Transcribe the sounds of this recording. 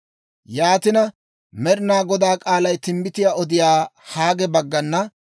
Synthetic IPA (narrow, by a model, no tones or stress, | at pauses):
jaːt̪ɪnɐ | mɛɾɪnaːɡɔd̪aːkʼaːlɐjt̪ɪmbɪt̪ɪjaːɔd̪ɪjaːhaːɡɛbɐɡːɐnːɐ